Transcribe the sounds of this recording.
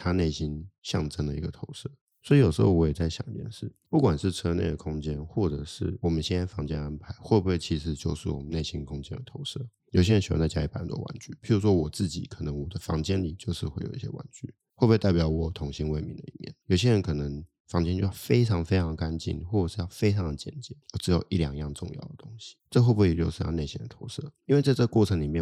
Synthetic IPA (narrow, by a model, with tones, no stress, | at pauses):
t̪ʰa˥ne˥˩ɪɕi˦˥nɕjɑ̰˥˩ŋʈ͡ʂə˥ŋd̪ə˨ḭ˧˥ɡə˨t̪ʰo˧˥ʊʂɤ˥˩ | swɔ˧˥i˧˥jo˨˩ʂ̩˧˥xo˥˧wɔ˧˥jt͡sa˥˩ɪɕjɑ̰˨˩ŋi˦˩jɛ̰˥˧˩nʂɻ̩˥˩pu˥˩kwa˨˩nʂɻ̩˥˩ʈ͡ʂʰɤ˥nḛ˥˩d̪ə˨kʰʊ˥ŋt͡ɕjɛ˥nxwɔ˥˩ʈ͡ʂɤ˨˩ʂɻ̩˥˩wɔ˨˩mə˨˦nɕɛ˥na˥fɑ˧˥ŋt͡ɕjɛ̰˥na˥npʰa˧˥ɪxwɔ˥˩bu˧˩e˥˩t͡ɕʰi˧˥ʂɻ̩˧˥t͡ɕjo˥˧ʊʂɻ̩˥˩wɔ̰˨˩mə˦ne˥˩ɪɕi˦˥nkʰʊ˥ŋt͡ɕjɛ̰˥nd̪ə˨t̪ʰo˧˥ʊʂɤ̰˥˩jo˨˩ɕ̬jɛ˥ə˧nɕḭ̃˨˩˧nt͡sa˥˧˩t͡ɕja˥i˥˩pa˨˩˨ə˨˩t̪wɔ̰˥wa̰˧˥˦nt͡ɕy̰˥˩pʰi˨˥ɻu˧˥ʂwɔ˥wɔ˨˩t͡sɹ̩˥˩t͡ɕḭ˨˩kʰɤ˨˩nə˧˥ŋwɔ˨˩d̪ə˦fɑ̰˧˥ŋt͡ɕjɛ˥nli˨˩t͡ɕjo˥˧ʊʂɻ̩˥˧xwe˥˩ɪjo˨˩ʊi˧˩ɕjɛ̰˥wa̰˧˥nt͡ɕy̰˥˩ | wɔ˥˩bu˧wt̪a˥˩ɪpjɑ˧˥ʊwɔ˨˩t̪ʰʊ˧˥ŋɕi˧˥nwe˥˩ɪmḭ˧nd̪ə̰˨˧ḭ˨˩mjɛ̰˥˩njo˨˩ʊɕjɛ˥ɻə˧˦nkʰɤ˨˩nə˧˦ŋ | fɑ˧˥ŋt͡ɕɛ˥˧nt͡ɕjɑ˥˩fe˥ɪʈ͡ʂʰɑ˧˥ŋfe˥ɪɑ˧˥ŋdə˧ka˦nt͡ɕḭ˥˩nxwɔ˥˩ə˨˩ʂɻ̩˥˩jɑ˥˩ʊfe˥ɪʈ͡ʂʰɑ˧˥ŋd̪ə˨t͡ɕjɛ̰˨˩nt͡ɕɛ˨˩˦nɔ˧˩ʈ͡ʂɻ̩˧˥jo˨˩ʊʔi˥˩ljɑ˨˩ŋi˧˩jɑ˥˧ŋʈ͡ʂʊ̰˥˧ŋjɑ̰˥˩ʊd̪ə˩t̪ʊ˥ŋɕi̥˨ʈ͡ʂɤ˥˧xwbu˧˥e˥˩ɛ˨t͡ɕjo˥˧ʊʂɻ̩˥˧jɑ̰˥˧ʊne˥˩ɪɕi˥ŋd̪ə˨˩t̪ʰo̰˧˥ʊsɤ̰˥˩i˥nwe˥˧ɪa˥˧ə˥˧kwɔ˥˩ʈ͡ʂʰɤ˧˥ŋli˨˩mjɛ˥˨n